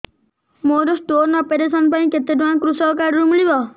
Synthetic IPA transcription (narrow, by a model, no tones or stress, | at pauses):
moɾɔsʈoɾnɔːpeɾesɔnpaĩket̪edʋankɾusɔkaɾɔɾumiɭibɔ